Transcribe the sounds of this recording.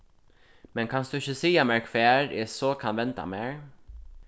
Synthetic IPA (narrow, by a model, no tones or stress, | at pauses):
mɛnkʰɑnsd̪ʉɪçəsiːjamɛɹkʰfeːɾɛsoːkʰɑnʋɛnt̪a̰meːɹ